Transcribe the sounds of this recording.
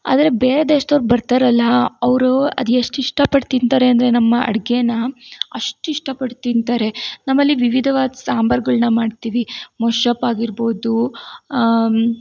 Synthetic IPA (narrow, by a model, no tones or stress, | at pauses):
a̰ːd̪ɐɾebeːɾed̪eːʂt̪ɐʋɾbɐɾt̪aɾɐlːɐɐʋɾuɐ̰d̪eʂʈiʂʈɐpɐɽt̪int̪aːɾe̞ɐnd̪ɐɾe̞nɐmːɐɐ̰ɽɡenɐɐʂʈuiʂʈɐpɐɽt̪int̪aːɾe̞nɐmːɐlːiʋiʋid̪ʱɐʋaːd̪ɐsaːmbɐɾɡɐɭnɐmaːɖt̪iːʋimɔʂɐpaːɡiɾbo̞ːd̪u